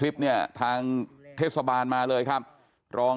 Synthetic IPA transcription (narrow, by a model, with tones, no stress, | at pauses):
li˦˥p̚ni˥˩ɐt̪ʰaː˧ŋt̪ʰeː˥˩t̪̚sa˧baː˧nmaː˧lɤː˧jkʰa˦˥p̚ | ɾɔː˧